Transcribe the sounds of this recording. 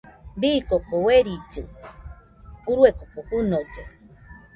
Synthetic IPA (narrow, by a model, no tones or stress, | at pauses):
bikokoweɾit͡ʃɨ | uɾwekokohunod͡ʒe